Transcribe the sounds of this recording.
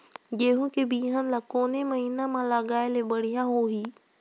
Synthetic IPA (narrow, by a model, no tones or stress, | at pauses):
d͡ʒeːɦũkebiːɦənlakoːneməɦiːnãmãlaɡaːelebəɽ̤ijãɦoɦiː